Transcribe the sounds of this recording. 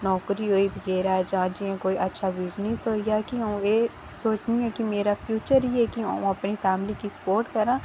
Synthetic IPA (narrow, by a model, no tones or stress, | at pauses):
nɔːkɾiɦoːiːbʱəɡɛːɾaɛd͡ʒaãːd͡ʒiẽkoːiʔətːʃʰabɪd͡ʒnisoːijaːkiɦãũeː | soːt͡ʃnĩɛːkimeːɾapʰjuːt͡ʃəɾiɛkiɦã̰ũɐpnipʰɛːmlikisə̥poːɾʈkəɾãː